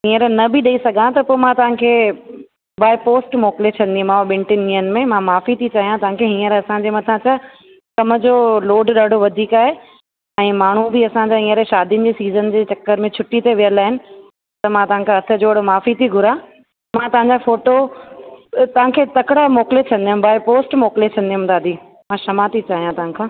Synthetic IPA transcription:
ɦĩːəɾnɐbʱɪɗɐisɐɡʱãt̪ɐpoːmãt̪ɐʋ̤ãkʰeː | baːɪpoːsʈmoːklet͡ɕʰɐ̃nd̪iũmãʋɓɪ̃ɳʈɪniənmẽmãmaːfit̪ʰit͡ɕaːɦijãt̪ɐʋãkʰeɦĩːəɾɐsãɲd͡ʑemɐt̪ʰãt͡ɕa | kɐməd͡ʑoːloːɖɗaːɖʱoʋɐd̪ʱiːkaːɦe | ɛ̃ːmaːɳ̤ubʱiɐsãɲd͡ʑaĩːə̃ɾeʃaːd̪ijnɪ̆d͡ʑeːsiːzənd͡ʑeːt͡ɕɐkːəɾmẽt͡ɕʰʊʈːit̪eʋijəlaːɦɪnɪ̆ | t̪ɐmãːt̪ɐʋ̤ãkʰãɐt̪ʰə̆d͡ʑoːɽmaːfit̪ʰiɡʱʊɾa | mãːt̪ɐʋ̤ãɲd͡ʑafoːʈo | t̪ɐʋ̤ãkʰeːt̪ɐkɪɽamoːklet͡ɕʰɐ̃n̆d̪iɦʊ̃mbaːɪpoːsʈmoːklet͡ɕʰɐ̃nd̪iɦʊ̃md̪aːd̪ʱiː | mãːʃɐmat̪ʰit͡ɕaːɦijãt̪ɐʋãkʰãː

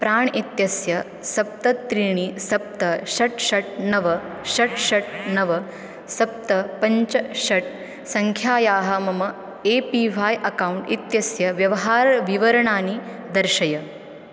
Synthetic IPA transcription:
pɾaːɳit̪jɐsjɐ | sɐp̚t̪ɐt̪ːɾiːɳisɐp̚t̪ɐɕɐʈɕɐʈ̚nɐʋɐ | ɕɐʈɕɐʈ̚nɐʋɐ | sɐp̚t̪ɐpɐɲt͡ʃɐɕɐʈ̚ | sɐŋkʰjaːjaːɦɐmɐmɐ | epiːʋʱaːjʔɐkauɳʈit̪jɐsjɐʋjɐʋɐɦaːɾʋiʋɐɾɐɳaːni | d̪ɐɾɕɐjɐ

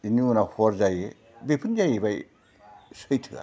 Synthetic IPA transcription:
iniunahɔɾzaje | bepʰɯnzajebaj | sɯjtʰɯa̰

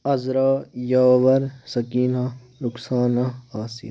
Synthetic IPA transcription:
ɐzɾaːjaːʋɐɾsɐkiːna | ɾʊksaːnaaːsḭ

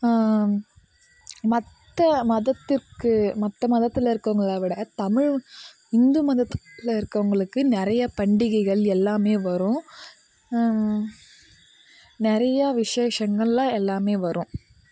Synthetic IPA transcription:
mɐt̪ːɐmɐðɐt̪ːɪrkɯmɐt̪ːɐmɐðɐt̪ːɪlɪɾɯkːɐʋɐŋɡɐɭaːʋɪɽɐt̪ɐmɪɻ | ɪnd̪ɯmɐðɐt̪ːlɐɪɾɯkːɐʋɐŋɡɐɭɯkːɯnɪɾɐjɐpɐɳɖɪɣɐɪɣɐɭɛlːaːmeːʋɐɾʊ̃ | nɪɾɐjɐʋɪʂeːʂɐŋɡɐɭlãːɛlːaːmeːʋɐɾʊ̃

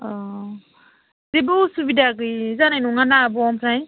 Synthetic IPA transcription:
ɔ | zebɯsubidaɡɯjzanajnuŋanabɔɔmpʰɾaj

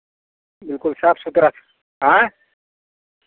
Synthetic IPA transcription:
bɪlkʊlsaːpʰsut̪ɾas | ɦã

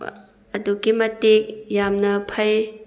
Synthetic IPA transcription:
ɐduɡimɐtek̚jamnɐpʰɐj

